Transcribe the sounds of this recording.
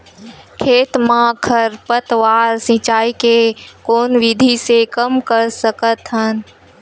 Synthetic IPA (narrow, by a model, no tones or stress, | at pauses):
kʰeːt̪mãkʰəɾpət̪ʋaːɾsĩt͡ʃaːikekoːnʋɪd̪ʱisekəmkəɾsəkət̪ɦən